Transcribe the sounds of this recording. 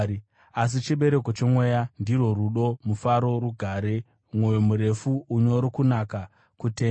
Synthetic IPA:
as̬it͡ʃiɓe̞ɾe̞ko̞t͡ʃemwe̞jandiro̞ruɗo̞mufaɾo̞ruɡʱaɾe̞ | mwojomuɾe̞fuuɲo̞ɾokunaka | kuteː

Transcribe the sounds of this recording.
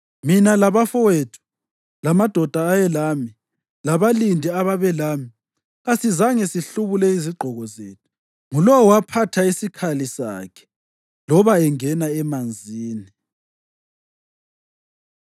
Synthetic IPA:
minalaβafɔwetʰu̥ | lamad̥ʱɔd̥ʱaːjɛlami | laβalindʱiaβaβɛlaːmi | ɣasizaŋɛsiɬuβulɛiziɡ͡ǃʱɔɣɔzeːtʰu̥ | ŋulɔwwapʰatʰaisikʰalisa̰ːkʰɛ̥ | lɔβaɛŋɛnaɛmand͡zʱiːni

